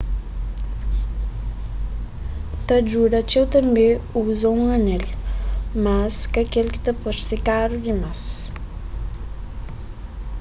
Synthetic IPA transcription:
t̪ɐd͡ʒuɾat͡ʃewt̪ɐmbeuzauŋɐnɛl | maskakelki̥t̪ɐpɔɾsekaɾudimas

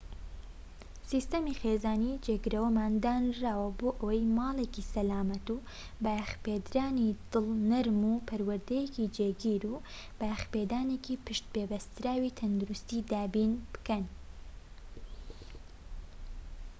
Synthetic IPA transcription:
siːst̪ɐmixeːzaːnid͡ʒeɡɨɾɐwɐmaːnd̪aːnraːwɐboːʔɐwɐjmɑːlˠeːkisɐlaːmɐt̪u | bajxpeːd̪ɾaːnid̪̥ɨlˠnɐɾmuːpʰɐɾwɐɾd̪ɐjekid͡ʒeːɡiːɾu | bajxpeːd̪aːnekiːpʰɨʃt̪̚beːbɐst̪ɾaːwit̪ʰɐnd̪uɾust̪iːd̪aːbiːnb̥ɨ̥kɐn

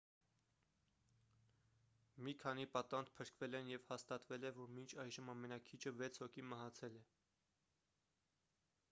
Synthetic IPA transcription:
mikʰɑnipɑt̪ɑnd̪pʰəɾkvɛlɛnjɛv̥hɑst̪ɑt̪vɛlɛvɔɾmint͡ʃʰɑjʒəmɑmɛnɑkʰit͡ʃʰəvɛt͡sʰhɔkʰiməɦɑt͡sʰɛlɛ

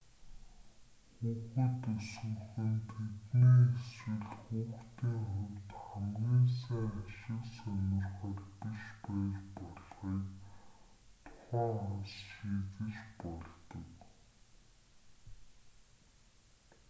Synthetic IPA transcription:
xuːxɵ̆t̪ɵsɵ̆χɘ̆nt̪ʰet̪niːeswɘ̆ɮxuːxt̪iːŋχʊwt̪χæmɡʲiːnsæːŋaʃɪ̆ksœnʲʊ̆rχɔːrpiʃpæːt͡ɕpɔɮʁiːk | t̪ʰʊ̥χæːansʃiːɣɘ̆t͡ɕpɔɮt̪ɞ̆k

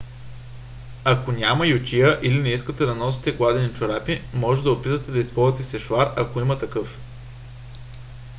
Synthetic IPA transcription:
ɐkonʲamɐjot̪ʲiəʔilinɛiskət̪ɛd̪ɐnɔs̬i̥t̪ɛklˠad̪ɛnit͡ʃoɾapimɔʒɛd̪ɐopit̪ət̪ɛd̪ɐispɔlˠɐt̪ɛsɛʃvaɾɐkoimət̪ɐkɤf

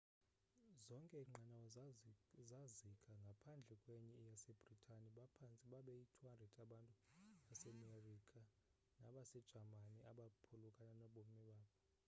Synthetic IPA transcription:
zɔŋkʼɛiŋ͡ǃʱanawɔ | zazikʰʼaŋɡʱapʰand͡ɮʱɛkʼwɛɲɛjasɛb̥ʱritʰʼaniɓapʰant͡sʼiɓaɓɛitʰuhandrɛdʰʼaɓantʼuasɛmerikʼa | naɓasɛd̥ʒ̥ʱamaniaɓapʰulukʼananɔɓomiɓaːɓɔ

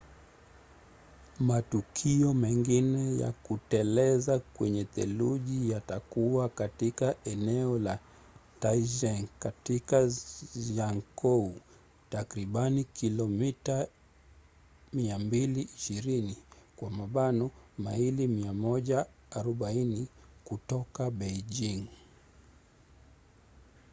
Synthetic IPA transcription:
matukʰiɔmɛŋɡinɛja̰kutɛlɛzakwɛɲɛθɛluʄijatakuwakatikaʔɛnɛɔla | taiʒɛŋkatikaʒaŋkɔu | takɾiɓanikilɔmita | miambiliʔiʃiɾinikwamaɓanɔmailimiamɔʄaː | ɾɔɓainikutɔkaɓɛʄiŋ

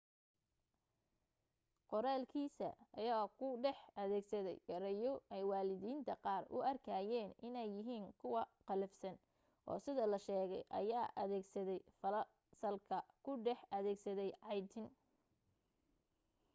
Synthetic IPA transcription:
qɔɾaːlkʰiːsɐ̰ɐjaːkʰʊɖɛħɐðɛːɡsɐðɛ̰jɡɐɾɐjɔʔɛjwɑːlɪðiːnt̪ʰɐqɑːrʊ̰ʔɐrkʰaːjɛːnʔɪnɛjːɪɦiːŋkʰʊwɑqɑlɐfsɐn | ʔɔ̰ːsɪðɐlɐʃɛːɣɛjʔɐ̰jaːʔɐðɛːɡsɐðɛjfɐ | sɐlkʰɐkʰʊɖɛħɐðɛːɡsɐðɛjʕɑjt̪ʰɪn

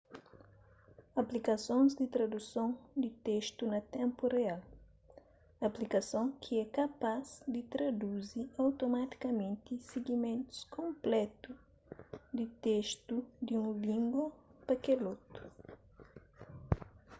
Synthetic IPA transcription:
ɐplikɐsõnzd̪it̪ɾɐd̪usõnd̪it̪eʃt̪unɐt̪ɛ̃mpureal | ɐplikɐsõŋkʰiɛkɐpazd̪it̪ɾɐd̪uziɐwt̪omat̪i̥kɐmẽnt̪iseɡimẽnt̪u̥skʰõmplɛt̪u | d̪it̪eʃt̪ud̪iũvĩŋɡopɐkelot̪u̥

